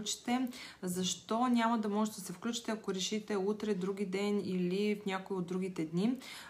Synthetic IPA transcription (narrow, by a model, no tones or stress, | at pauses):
t͡ʃi̥t̪ɛzɐʃt̪ɔnʲamɐd̪ɐmɔʒɛt̪d̪ɐsɛfklʲut͡ʃi̥t̪ɛɐkoɾɛʃit̪ɛut̪ɾɛd̪ɾuɡid̪ɛnilifnʲakoiod̪ːɾuɡit̪ɛd̪ni